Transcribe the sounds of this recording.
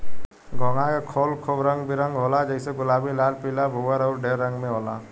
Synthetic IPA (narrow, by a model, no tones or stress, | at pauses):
ɡɔŋãkekʰoːlkʰobɾə̃ŋɡbʱiɾəŋɡɦolad͡ʒəɦɪseɡʊlabʱilaːlpilabʱuɡəɾɔʊɾɖeɾːə̃ŋɡmẽɦoːla̰